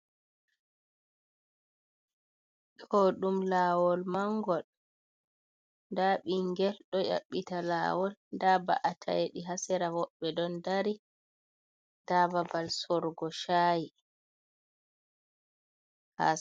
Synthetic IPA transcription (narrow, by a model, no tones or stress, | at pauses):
ɗoɗumlaːwɔlmaŋɡɔl | ndaɓiŋɡɛlɗɔja̰ɓːitala̰ːwɔlndaba̰ʔatʰa̰jɗiɦasɛɾawɔɓːɛdɔndaɾi | d̥ababalsɔɾɡɔʃaːji | ha̰